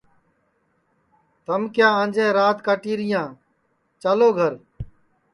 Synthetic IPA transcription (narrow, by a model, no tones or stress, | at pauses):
t̪əmkjaːãːnd͡ʒẽːɾaːt̪kaːʈiːɾɪjãː | t͡ʃaloːɡʱəɾ